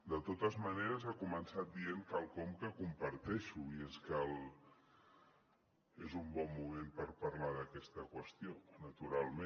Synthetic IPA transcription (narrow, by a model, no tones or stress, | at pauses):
d̪ət̪ot̪əzməneɾəzakumənsat̪̚d̪ieŋkalˠkɔmkəkumpəɾt̪ɛʃuieskal | ezumbɔmːumempəɾpɐɾlaðəkɛst̪əkwəst̪ionət̪uɾalˠmẽ